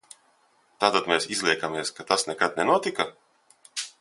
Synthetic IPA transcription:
t̪aːt̪at̪meːsizlʲˠiɛkameɛskat̪asnɛkad̪̚nɛnuɔt̪ika

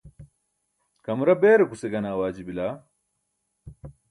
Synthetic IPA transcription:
kɐmuɾɐbeːɾekuseɡɐnawaːd͡ʒibilaː

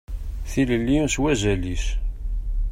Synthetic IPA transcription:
θiləlːiswæʒæliʃ

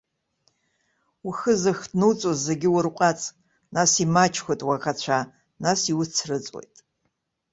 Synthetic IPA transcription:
uxɨzɨxdnɨwt͡sʼozːeɡʲɪwʊrqʷʼat͡sʼ | nasimat͡ʃʰkʷotʼwakat͡ɕʷʰa | nasiwʊt͡sʰrɨt͡sʼwḛjtʼ

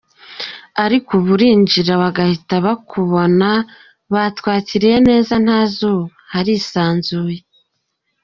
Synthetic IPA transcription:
aɾikuβuɾiːɲd͡ʒiɾawaɡahitaβakʰuβo̞na | βatkwaːciɾejene̞ːzan̥haːzo̞ | haɾisaːnzuje

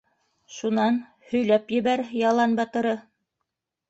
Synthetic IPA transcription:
ʃunɑn | hɵ̆jlæpjɘ̆βæɾjɑlˠɑnbɑt̪ɤ̆ɾɤ

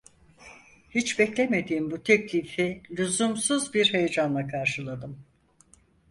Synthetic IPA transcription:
hit͡ʃbɛclʲeme̞d̪iːmbut̪ʰɛclʲifilʲuzumsuzbiɾɦejed͡ʒanlˠakʰaɾʃɯlˠad̪ɯm

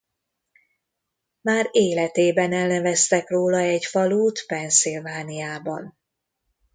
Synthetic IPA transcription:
maːɾeːlɛt̪eːbɛnɛlnɛvɛst̪ɛkroːlɒɛcfɒluːt̪pɛnsilvaːnijaːbɒ̰n

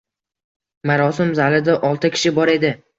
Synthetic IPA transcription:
maɾɒsɪmzalɪd̪aʔɒlˠt̪ʰɪkʲʰɪ̥ʃɪbɒɾe̞d̪ɪ

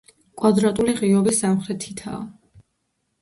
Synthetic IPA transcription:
kʼwad̪ɾat̪ʼuliʁiɔbisːamχɾɛt̪ʰit̪ʰa̰ː

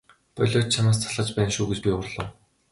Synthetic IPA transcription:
p̪ɔɮʲɔːt͡ɕ̚t͡ɕʰanaːs̬t͡sʰaɮə̆t͡ɕpæːnʃuːɡet͡ɕpʲiʊrɮɞ̆w

